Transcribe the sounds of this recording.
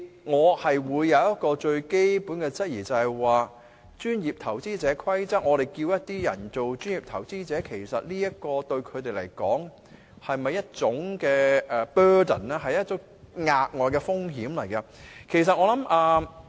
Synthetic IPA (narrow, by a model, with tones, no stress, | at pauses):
ŋɔː˨˧hɐ˨jwuː˨˧jːɐ˨˧wjɐ˥t̚kɔː˧t͡ʃɵ˧ɥke˥jpuː˨˥nkɛ˧t͡sɐ˥t̚jiː˨˩t͡sɐ˨hɐ˨jwaː˨ | t͡ʃyː˥njiː˨˩p̚t̪ʰɐ˨˩wt͡siː˥t͡sɛː˨˥kʰwɐ˥jt͡sɐ˥k̚ŋɔː˨˧ɾe˨jkiː˧wjɐ˥t̚t̪iː˥jɐ̰˨˩nt͡so˨wt͡ʃyː˥njiː˨p̚t̪ʰɐ˨˩wt͡siː˥t͡sɛː˨˥kʰe˨˩jsɐ̰˨t̚liː˥jɐ˥kɔː˧t̪ɵ˧ɥkʰɵ˨˧t̪e˨jlɐ˨˩jkɔ̰ː˨˥ŋ | hɐ˨jmɐ˨jːɐ˥t̚t͡sʊ˨˥ŋkɛː˧ɛː˨˧pœː˥də̰˨˩nɛ˥ɦɐ˨jɐ˥t̚t͡sʊ˨˥ŋ | ŋaː˧k̚ŋɔː˨jkɛː˧fʊ˥ŋɦiː˨˥mlɐ˨˩jkɐ˧kʰe˨˩js̬ɐ˨ŋɔː˧lɐ˨˥mʔaː˧